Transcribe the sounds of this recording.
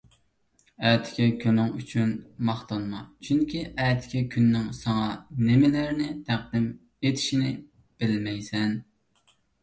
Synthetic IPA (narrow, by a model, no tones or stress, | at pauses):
ɛt̪ʰɪ̥kʲɛkʲʰønɪŋyt͡ʃʰynmɑχt̪ʰɑnmɑt͡ʃʰyŋkʲiʔɛːt̪ʰɪ̥kʲɛkʲʰynːɪŋsɑŋɑnɪmɪlæɾnɪt̪ʰæq̚d̪ɪm | et̪ʰɪ̥ʃinɪ | b̥ɪlmɛjsɛn